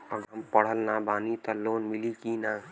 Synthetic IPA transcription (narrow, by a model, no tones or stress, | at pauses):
əɡəmpəɽ̤əlnabaːnit̪əloːnmilikina